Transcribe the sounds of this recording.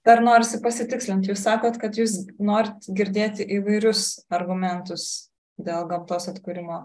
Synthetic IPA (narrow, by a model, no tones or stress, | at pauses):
d̪̥ɐrnoːɾʲɪsʲɪpɐsʲɪt̪ʲɪksʲlʲɪnt̪juːssɑːkoːt̪kɐt̪juːs̬noːɾʲɪt̪ɡʲɪɾʲd̪ʲeːt̪ʲɪʔiːʋɐɪɾʲʊsɐrɡʊmʲɛnt̪ʊs | d̪ʲeːlˠɡɐmt̪oːsɐt̪ʲkuɾʲɪmoː